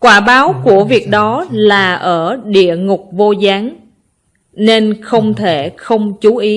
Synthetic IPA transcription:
kwaː˧˩ɓaː˨˦wku˧˩əvi˨˩ək̚ɗɔ˨˦laː˨˩ʔəː˧˩ɗḭ˧˨əŋʊ˨˩k͡p̚vo˧zaː˨˦ŋ | ne˧nxə˧wŋ͡mt̪ʰe˧˩xə˧wŋ͡mt͡ɕu˨˦ʔi˨˦

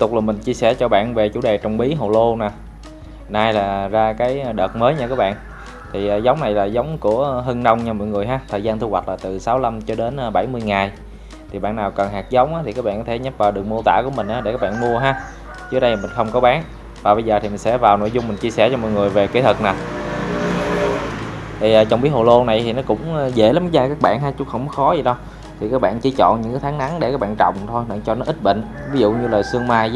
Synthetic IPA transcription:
t̪ʊ˨˩k͡p̚laː˨˩mï˨˩ŋ̟t͡ɕi˧əsɛ˧˩t͡ɕɔ˧ɓa̰ː˧˨nve˨˩t͡ɕṵ˧˩˦ɗe˨˩t͡ɕɔ˧wŋ͡mɓi˨˦ɦo˨˩lo˧naː˨˩ | naː˧jlaː˨˩zaː˧kaː˨˦jɗəː˨˩t̚məː˨˦jɲaː˧kaː˦˥k̚ɓa̰ː˧˨nʔ | t̪ʰi˨˩ʔːzə˨˦wŋ͡mna˨˩jlaː˨˩zə˨˦wŋ͡mku˧˩əɦə˧ŋnə˧wŋ͡mt͡ɕɔ˧mɔ̰˧˨jŋɨ˨˩əjɦaː˨˦t̪ʰəː˨˩jzaː˧nt̪ʰu˧wa˨˩t̚laː˨˩t̪ɨ˨˩saː˨˦wla˧mt͡ɕɔ˧ɗe˨˦nː˧ɓa˧˩jmɨ˧əjŋaː˨˩j | t̪ʰi˨˩ɓa̰ː˧˨nːaː˨˩wkə˨˩nɦaː˨˩k̚zə˨˦wŋ͡mʔaː˨˦t̪i˨˩kaː˦˥kɓa̰ː˧˨kɔ˦t̪ʰe˧˩ɲə˦˥p̚vaː˨˩ɗɨ˨˩ək̚mu˧ət̪a̰ː˧˥ku˧˩əmï˨˩ŋ̟ʔaː˨˦ɗkaː˦˥kɓa̰ː˧˨nmu˧əɦaː˨˦ | t͡ɕɨ˦˥ək̚ɗə˧˨mï˨˩ŋ̟xə˧wŋ͡mkɔ˨˦ɓaː˨˦n | vaː˨˩ɓə˧jzəː˨˩t̪ʰi˨˩mï˨˩ŋ̟sɛ̰˧˥vaː˨˩wno̰˧˥jzʊ˧ŋ͡mmï˨˩ŋ̟t͡ɕi˧əsɛ˧˩t͡ɕɔ˧mɔ̰˧˨jŋɨ˨˩əjve˨˩ke˨˦t̪ʰə˨˩k̚naː˨˩w | t̪ʰi˨˩ʔəː˨˩t͡ɕɔ˧wŋ͡mɓi˨˦ho˨˩lo˧na˨˩jt̪ʰi˨˩nɔ˨˦kʊ̰˧˥ŋ͡mzḛ˧˩la˨˦m˦zaː˧kaː˦˥k̚ɓa̰ː˧˨nɦaː˨˦t͡ɕʊ˨˧˥ŋ͡mxə˧wŋ͡mkɔ˨˦xɔ˨˦zi˨˩ɗə˨˧w | t̪ʰi˨˩kaː˦˥k̚ɓa̰ː˧˨nt͡ɕi˧˦t͡ɕɔ̰˧˨nɲɨ̰˧˥ŋkaː˨˦jt̪ʰaː˨˦ŋna˨˦ŋɗe˧kaː˦˥ɓa̰ː˧˨nt͡ɕɔ̰˧˨wŋ͡mt̪ʰo˧jt͡ɕɔ˧nɔ˨˦ʔï˦˥t̚ɓḭ˧˨ŋ̟vi˨˦zṵ˧˨ɲɨ˧ləː˨˩jsɨ˧əŋmaː˧j

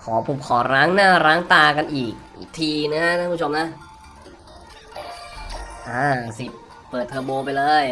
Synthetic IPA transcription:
kʰɔː˩˦pʰu˨˩˦kʰɔː˩˦ɾaː˦˥ŋnaː˥˩ɾaː˦˥ŋt̪aː˧ka˧nʔiː˨˩k̚ʔḭː˨˩t̪ʰiː˧nɯ˦˥hʰa˦˥ʔa˥˦u˥o˧mna˦˥ | ʔaː˧˩si˨˩t̚ | pɤː˨˩t̪̚ʰɤː˧boː˧pa˧jlɤː˧j

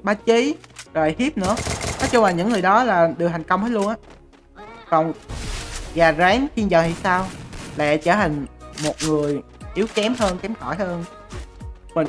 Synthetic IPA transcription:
ɓaː˨˦t͡ɕi˨˦zo˨˩jhi˦˥p̚nɨ̰˧˥ənɔ˨˦t͡ɕʊ˧ŋ͡mlaː˨˩ɲɨ̰˧˥ŋːɨ˨˩əjɗɔ˨˦laː˨˩ɗɨ˨˩ət̪hʰŋ̟kə˧wŋ͡mt̪əː˨˦lu˧ənʔaː˨˦ | kɔ˨˩ŋ | ɣaː˨˩za˨˦ŋxi˧nzəː˨˩hi˧˩saː˧wla̰ː˧˩˨t͡ɕəː˧˩tï˨˩ŋ̟mo˨˩t̚ŋɨ˨˩əj | ʔi˨˦əwkɛ˨˦mɦəː˧nkɛ˨˦mxɔ˧˩jhəː˧n | mi˨˩

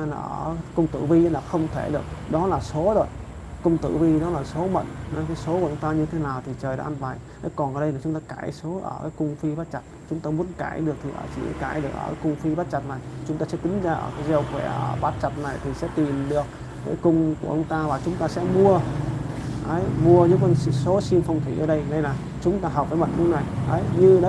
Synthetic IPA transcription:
nə̰ː˧˩kʊ˧ŋ͡mt̪ɨ̰˧˨vi˧˨˦laː˨˩xə˧wŋ͡mt̪ʰe˧˩ɗɨ˨˩ək̚ɗɔ˨˦laː˨˩so˨˦zo˨˩j | kʊ˧wŋ͡mt̪ɨ̰˧˨vi˧ɗɔ˨˦laː˨˩so˨˦mə̰˧˨nnɔ˨˦kaː˨˦jso˨˦ku˨˧˩t͡ɕʊ˨˦ŋ͡mt̪aː˧ɲɨ˧t̪ʰe˨˦naː˨˩wt̪ʰi˨˩t͡ɕəː˨˩jɗa̰ː˧ʔa˧nva˨˩jʔə˨˦jkɔ˨˩nʔəː˨˩ɗə˧jnaː˨˩t͡ɕʊ˨˦ŋ͡mt̪aː˧ka̰ː˧˩jso˨˦ʔə̰ː˧˩kaː˨˦jkʊ˧ŋ͡mfi˧ɓaː˦˥t̚t͡ɕa˨˩t̚t͡ɕʊ˨˦ŋ͡mt̪aː˧mu˨˦ənkaː˧˩˨jɗɨ˨˩ək̚t̪ʰi˨˩ʔə̰ː˧˩t͡ɕḭ˧˩˨ka̰ː˧˩jɗɨ˨˩ək̚ʔə̰ː˧˩aː˨˦jkʊ˧ŋ͡mfi˧ɓaː˦˥t̚t͡ɕa˨˩t̚na˨˩jt͡ɕʊ˨˦ŋ͡mt̪aː˧ɛ˧˥k̪ï˨˦ŋ̟zaː˧ʔəː˧˩kaː˨˦jzɛ˧wxkwɛ̰˧˩ʔə˧˩ɓaː˦˥t̚t͡ɕa˨˩t̚na˨˩jt̪ʰi˨˩sɛ̰˧˥t̪i˨˩mɗɨ˨˩ək̚ː | aː˨˦jkʊ˧ŋ͡mku˧˩əʔŋ͡mt̪aː˧vaː˨˩t͡ɕʊ˨˦ŋ͡mt̪aː˧sɛ̰˧˥mu˧ə | ʔə˨˦jmu˧əɲɨ˧˥kwə˧nsso˨˦si˧əwfə˧wŋ͡mt̪ʰi˧˩ʔə̰ː˧˩ɗə˧jna˧jlaː˨˩ | t͡ɕʊ˨˦ŋ͡mt̪aː˧ɦp̚vaː˨˦jmə̰˧˨n̚ɲ˨˧˦na˨˩jʔə˨˦jɲɨ˧ɗ

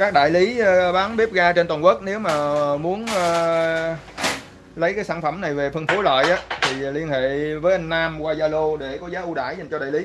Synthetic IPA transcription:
kaː˦˥k̚ɗa̰ː˧˨jli˨˦˧ɓaː˨˦nɓi˦˥p̚ɣaː˧t͡ɕe˧nt̪waː˨˩nkwə˦˥k̚ne˨˦wmaː˨˩mu˨˦ənː˧ | lə˨˦jkaː˨˦jsaː˧˩nfə˧˩mna˨˩jve˨˩fə˧nfo˨˦la̰ː˧˨jʔaː˨˦t̪ʰi˨˩li˧ənhḛ˧˨vəː˨˦jʔa˧ŋ̟naː˧mkwaː˧zaː˧lo˧ɗe˧˩kɔ˨˦zaː˨˦ʔu˧ɗa̰ː˧˩jza˨˩jŋt͡ɕɔ˧a̰ː˧˨li˨˦

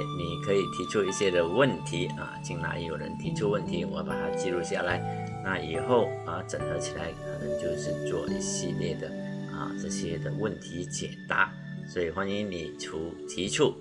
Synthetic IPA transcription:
ni˨˩kʰɤ˧˥i˨˩t̪ʰi˧˥ʈ͡ʂʰu˥˧i˥˧ɕjɛ˥d̪ə˨wə˥˩nt̪ʰi˧˥ə̰˧t͡ɕi˥nla̰˧˥ɪjo˨˩ʊɻə̰˧˦nt̪ʰi˧˥ʈ͡ʂʰu˥˧wə˥˩nt̪ʰi˧˥wɔ˧˥pa̰˨˩t̪ʰa̰˥t͡ɕi˥˧lu˥˧ɕja˥˩la˧˦ɪ | na˥˩i˨˩xo˥˩ʊə˨ʈ͡ʂə˨˩ŋd̪ə˧˥t͡ɕʰi˨˩la˧˥ɪkʰɤ˨˩nə˧˥ŋt͡ɕjo˥˧ʊʂɻ̩˥˧t͡swɔ˥˧ʔḭ˥˧ɕi˥˧ljɛ˥˩d̪ə˩ə̰˧˩ʈ͡ʂɤ˥˧ɕi˥jɛ˥d̪ə˨wə˥˩nt̪ʰi˧˥t͡ɕjɛ̰˨˩nt̪a̰˧˥˦ | swɔ˧˥i˨˩xwa˥ni˧˥ŋni˨˩ʈ͡ʂʰu˧˥t̪ʰi˧˥ʈ͡ʂʰu˥˩

